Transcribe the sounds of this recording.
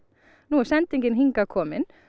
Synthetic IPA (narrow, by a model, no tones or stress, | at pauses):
nuːʃɛnt̪ɪŋɡɪnhɪŋkɑkʰoːmɪn